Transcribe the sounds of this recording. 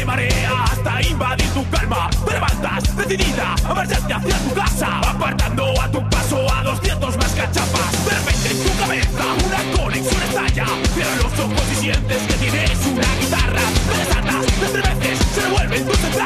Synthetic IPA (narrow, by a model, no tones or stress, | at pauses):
emaɾeast̪aimbaðit̪ukalmabeɾβant̪asðesiðiðaaβaɾt̪ant̪eaθjat̪ukasaapaɾt̪and̪oat̪upasoaðosðjent̪ozmaskat͡ʃapasðerepent̪ɾest̪ukaβeθaunakoɾesuɾesaʎa | peɾalossospofiʃjent̪esket̪inesunɐɣit̪arabeɾesaɾt̪asðent̪ɾeβenθesseðeβwolβest̪uset̪a